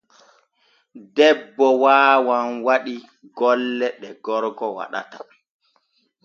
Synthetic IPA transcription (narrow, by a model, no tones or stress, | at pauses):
dɛbːɔwaːwanwaɗi | ɡɔlːɛɗɛɡɔɾɡɔwa̰ɗa̰ta